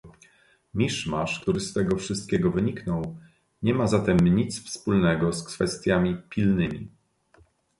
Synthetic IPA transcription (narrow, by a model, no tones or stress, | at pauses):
mʲiʂmaʂk̚t̪uɾɘst̪ɛɡɔfʂɘst̪̚kʲɛɡɔvɘɲiknɔw | ɲɛmazat̪ɛmɲit̪sfspulnɛɡɔskfɛst̪ʲjamʲipʲilnɘmʲḭ